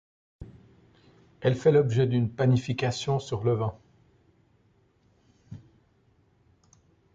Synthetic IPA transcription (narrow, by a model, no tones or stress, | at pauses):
ɛlfɛlɔbʒɛd̪ynpanifikasjɔ̃syʁləvɛ̃